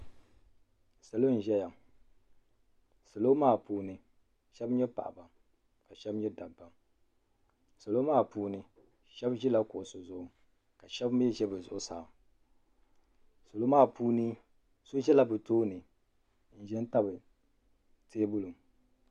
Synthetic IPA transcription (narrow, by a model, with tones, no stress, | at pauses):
sa˨lo˦n̩˨ʒɛ˦ja˨ | sa˨lo˦maː˦˨puː˦nɨ˨ | ʃɛ˦bɲɛ˦pa̰˨ʔa˨ba˨ | ka˨ʃɛ˦bɲɛ˦da˨bːa˨m | so˨lo˦maː˦˨puː˦nɨ˨ | ʃɛ˦bʒi˦la˦kʊ˨ʔʊ˨so˨zʊ˦ʔʊ˨ | ka˨ʃɛ˦bm˦ɛ˦ʒɛ˦bɨ˨zʊ̰˨ʔʊ˦saː˨m | so˨lo˦maː˦˨puː˦nɨ˦ | so˦ʒɛ˦la˨bɨ˨toː˦nɨ˨ | n̩˨ʒɛ˦n˦ta˦bɨ˨ | teː˦bʊ˦lu˨m